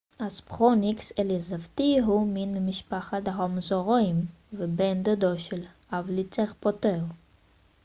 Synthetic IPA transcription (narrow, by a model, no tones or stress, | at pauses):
aspχonikseljezavt̪iɦuminmiʃpaχat̪aɦomzoʁjm | vebend̪od̪oʃel | avlit͡seʁpot̪eʁ